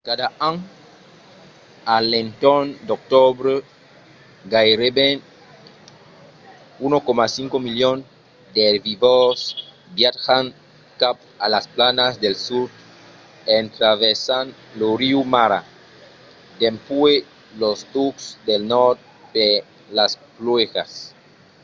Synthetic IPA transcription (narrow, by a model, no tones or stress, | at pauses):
kad̪aaŋ | alent̪ond̪ok̚t̪obɾe | ɡajɾeben | unokomasiŋkomiljon | d̪eβivos | bjaxaŋ | kap̚ | alasplanazd̪elsuɾ | ent̪ɾaβesanloɾiumaɾa̰ | d̪empwe | lost̪uksd̪elnoɾt̪̚ | d̪e | lasplwexa̰s